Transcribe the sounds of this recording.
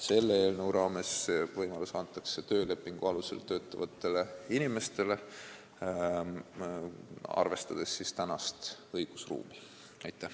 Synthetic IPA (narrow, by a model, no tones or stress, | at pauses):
se̞lːee̞ːlnewɾɑːme̞svɤjmɑlusɑnt̪ːˑɑkse̞t̪ø̞ːle̞pːˑiŋɡ̥uɑluse̞̰lt̪ø̞ːt̪ːˑɑvɑt̪ːˑe̞le̞inʲime̞st̪e̞le̞ | ɑ̰rve̞st̪ɑd̪̥e̞sːist̪ænɑst̪ɤjɡ̥usrṵːmi | ɑjt̪ːˑæh